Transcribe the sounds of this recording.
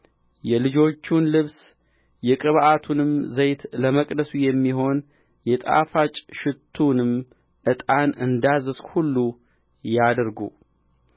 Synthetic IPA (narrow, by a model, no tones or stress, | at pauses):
jɛlɨd͡ʒo̞t͡ʃːunlɨβs | jɛkʼɨβʔat̪ʰunɨmzəjt̪ləməkʼd̪əsujɛmːiɦo̞n | jɛt̪ʼa̰fat͡ʃʼʃɪt̪ʰːunɨm | ʔɨt̪ʼanɨnd̪azɨshulːu | jad̪ɾɡṵ